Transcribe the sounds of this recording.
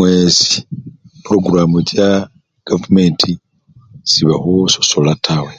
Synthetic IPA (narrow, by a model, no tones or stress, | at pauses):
wesi̥pɾoɡuɾamot͡ʃa | ɡ̥avumentʰi | siβahusoso̞latʰawe